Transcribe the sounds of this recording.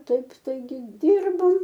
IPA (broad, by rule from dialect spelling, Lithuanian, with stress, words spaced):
ˈtɐɪp tɐɪˈɡʲɪ ˈdʲiːrboːm